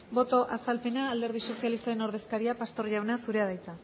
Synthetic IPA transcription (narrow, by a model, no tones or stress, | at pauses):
bo̞t̪o̞ʔasalpe̞naːld̪e̞ɾð̞iso̞sialist̪aɾe̞no̞ɾð̞e̞skaɾiapast̪o̞ɾʝawnasuɾeaðajt͡sa